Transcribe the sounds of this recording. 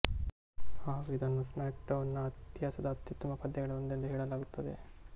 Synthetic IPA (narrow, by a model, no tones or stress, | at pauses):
haːɡuid̪ɐnːuːsmaːk̚ɖɐwnːɐːt̪jaːsɐd̪ɐɐt̪ːit̪ːɐmɐpɐd̪ːɛɡɐɭɐond̪ɐlːiɦɛːɭɐlaːɡut̪ːɐd̪e̞